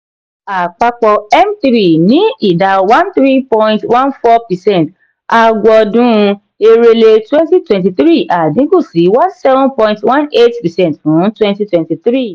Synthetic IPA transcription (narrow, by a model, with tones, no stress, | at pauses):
a˨k͡pa˧k͡pɔ˧ɛ˦mt̪ɾi˨nĩ˨˦i˦˨da˨˧wã˦nt̪ɾi˦pɔ̃˧ĩntwã˦nfɔ˦pɛ˨sɛ̃˦˨n˨t | a˧ɡɔ˧dũ˦˧ | e˧ɾe˧le˧twɛ̃˦nti˦twɛ̃˨nti˧θɾi˦˨ʔa˨dĩ˨˦ko˦˨si˨˦wa˦sɛ˦vũ˦pɔ̃˧ĩntwã˦ne˦tpi˨sɛ̃˦nthũ˨˦twɛ̃˦nti˧˦twɛ̃˨nti˧θɾi˦˨